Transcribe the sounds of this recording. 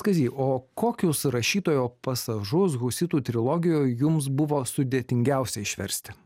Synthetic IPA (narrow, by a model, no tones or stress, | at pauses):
skɐzʲiːoːkoːkʲʊsɾɐʃʲiːt̪oːjoːpɐsɐʒʊs̬ɣʊsʲɪt̪uːt̪ʲɾʲɪlˠɔːɡʲɪjoːjjʊmsbʊʋoːsʊd̪ʲeːt̪ʲɪŋʲɡʲɛˑʊsʲɛɪʃʲʋʲɛ̰ɾʲsʲt̪ʲɪ̥